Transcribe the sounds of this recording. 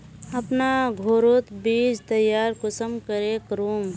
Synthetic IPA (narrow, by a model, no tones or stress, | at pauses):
ɐpnaɡʱoːɾoːt̪biːd͡ʒt̪əjaːɾkʊsəmkəɾekɾoːm